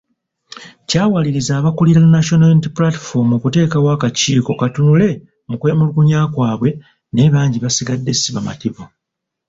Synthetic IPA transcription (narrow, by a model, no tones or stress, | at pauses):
caːwaliɾizaːβakuliɾanːaʃo̞naintiplati̥fo̞mokute̞ːkawaːkaciːko̞katunule̞ | mukwemulukuɲaːkwaːβwe̞ | ne̞βaːɲɟiβasiɡadːe̞siβama̰tiβu